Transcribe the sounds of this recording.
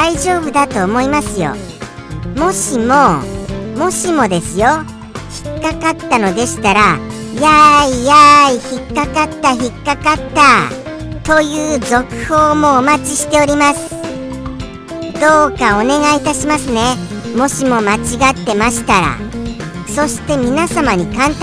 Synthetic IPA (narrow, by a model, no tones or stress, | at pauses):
daiʑo̞ːbɯ̟d̪at̪o̞ːmo̞imasɨjo̞̰ | mo̞ɕimo̞mo̞ɕimo̞d̪e̞sɨjo̞ | çi̥kːakat̪ːano̞d̪e̞ɕi̥t̪aɾa | jaijaiçikːakat̪ːaçikːakat̪ːa | t̪o̞jɯ̟ːzo̞kɯ̟̥ho̞ːmo̞ːmat͡ɕiɕi̥t̪e̞o̞ɾʲimasɨ̥ | d̪o̞ːkao̞ne̞ɡait̪aɕimasɨne̞mo̞ɕimo̞mat͡ɕiɡat̪ːe̞maɕi̥t̪aɾa̰ | so̞ɕi̥t̪e̞mʲinasamaɲ̟ikãnt̪